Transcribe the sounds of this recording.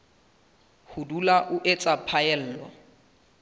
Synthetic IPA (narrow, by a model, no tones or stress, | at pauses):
hʊdulaʔʊʔet͡sʼapʰaɛl̩ːlwa̰